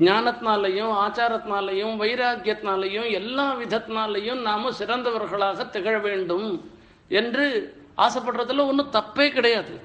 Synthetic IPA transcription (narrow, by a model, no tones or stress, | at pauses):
ɡɲaːnɐt̪naːlɐjɯ̃maːt͡ʃaːɾɐt̪naːlɐjɯ̃mʋɐjɾaːɡjɐt̪naːlɐjʊ̃ɛlːaːʋɪd̪ʱɐt̪naːlɐjʊ̃mnaːmɐ̃sɪɾɐnd̪ɐʋɐɾɣɐɭaːɣɐt̪ɛɣɐɻɐʋeːɳɖɯm | ɛndrɯ | a̰ːsɐpːɐʈɾɐðɯlɐɔnːɯt̪ɐpːeːkɪɽɐjaːðɯ̰